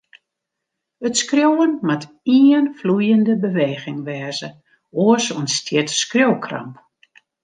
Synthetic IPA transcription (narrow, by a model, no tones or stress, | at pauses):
ətskrjowənmat | iənflujəndəbəʋeːɣɪŋʋɛːzə | oəsoənstʰjɪtskrjowkʰra̰mp